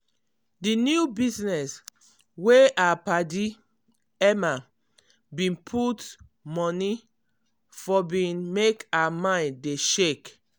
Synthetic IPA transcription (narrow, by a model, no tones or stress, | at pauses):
dinjubiznɛs | weapadi | ɛma | bĩnpʰut | mɔni | fɔbĩnmekaamãɪ̃ndeʃek